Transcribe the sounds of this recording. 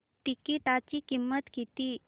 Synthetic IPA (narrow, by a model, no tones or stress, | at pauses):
ʈikiʈat͡ɕikimːət̪kit̪i